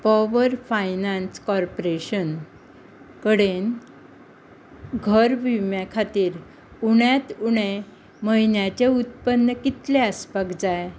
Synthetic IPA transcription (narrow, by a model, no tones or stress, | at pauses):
pɔʋəɾfajnanskɔɾpoɾeɕən | kəɽen | ɡʱəɾʋimjakʰat̪iːɾ | uɽjat̪uɽ̃e | məinjat͡ɕeut̪pənːəkit̪leəspəɡd͡zaj